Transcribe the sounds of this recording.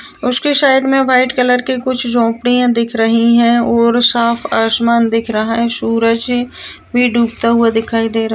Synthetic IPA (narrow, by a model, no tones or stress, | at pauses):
ʊskesaːɪɖmẽʋaːɪʈkələɾkekʊt͡ʃʰd͡ʒɔ̃ːpɽijãd̪ɪkʰɾɐɦiɦɛ̃ɔːɾsaːpʰaːsmaːnd̪ɪkʰɾɐɦaɦɛ̃suːɾəd͡ʒ | bʱiɖʱuːkt̪aɦʊad̪ɪkʰaːid̪eːɾɐ